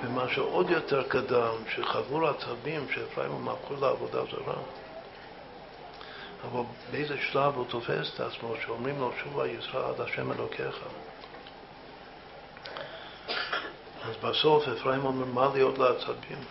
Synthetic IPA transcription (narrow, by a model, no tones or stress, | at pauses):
v̥əmaʃeʔod̪jotʰɛɾkadamʃeχavuɾat͡sabimʃeefɾa̰jimumafχulaavod̪a̰za̰ɾa̰ | avalˠ | beejzəʃlavut̪ʰofɛ̰se̥ta̰t͡smoʃeomɾimloʃuva̰jit͡sɾaadaʃɛmɛ̰lokʰeχa | azbasofhefɾaimomɛɾmalijot̪ləat͡sabim